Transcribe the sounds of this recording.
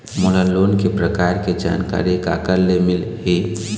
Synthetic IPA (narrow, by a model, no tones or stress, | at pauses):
molalonkepɾəkaɾked͡ʒa̰nka̰ɾika̰kəɾlemilɦi